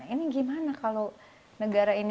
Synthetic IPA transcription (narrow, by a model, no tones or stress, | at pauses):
iniɡimanakalo | nəɡaɾain